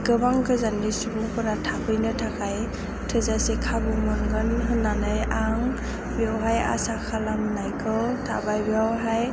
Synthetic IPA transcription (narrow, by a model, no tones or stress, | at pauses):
ɡɯbaŋkɯzanːisubuŋpɯɾatʰabɯjnɯtʰakaj | tʰɯzasekʰabɯmɯnɡɯnɦɯnːanɯjaŋ | bjawɦaja̰sakʰalamnajkʰɯtʰa̰bajbiawɦaj